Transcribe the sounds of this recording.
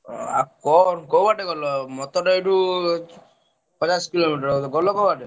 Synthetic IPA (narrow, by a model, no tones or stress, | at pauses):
a̰kɔnkɔbaʈeɡɔlɔmɔt̪ɔʈɔeʈu | pɔt͡ʃaskilomiʈɔɾot̪ɔɡɔlɔkɔbaʈe